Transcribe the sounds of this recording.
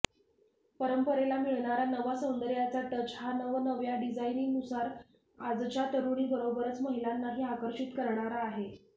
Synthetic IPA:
pəɾəmpəɾelamiɭɳaɾanəʋasənd̪əɾjat͡saʈət͡ɕɦanəʋnəʋjaɖid͡zainiŋɡnusaɾ | ad͡zt͡ɕat̪əɾuɽiːbəɾobəɾət͡sməɦilanːaɦiːakəɾɕit̪kəɾɳ̃aɾaːɦe

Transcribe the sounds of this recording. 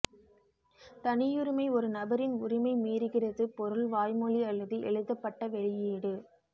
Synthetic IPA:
t̪ɐnɪjʊɾɪmɐɪɔɾɯnɐbɐɾɪnʊɾɪmɐɪmiːɾɯɣɪrɐðɯpɔɾɯɭʋaːjmɔɭiɐlːɐðɯʔɛ̰ɻɯðɐpːɐʈːɐʋɛɭɪjiːɽɯ

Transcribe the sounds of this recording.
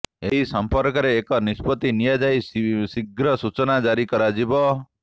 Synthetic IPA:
eɦisɔmpɔɾkɔɾeːkɔnispɔt̪inijad͡ʒajssiɡɾɔsut͡ʃɔnad͡ʒaɾikɔɾad͡ʒibɔ

